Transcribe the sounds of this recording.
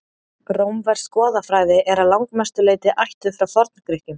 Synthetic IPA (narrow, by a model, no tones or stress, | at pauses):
ɾowmvɛɾ̥skɔːðafɾaːjðɪʔɛɾaðlawŋkmɛst̪ʏleːjt̪ɪʔajht̪ʏfɾawθɔɾt̪nkɾɪhcʏm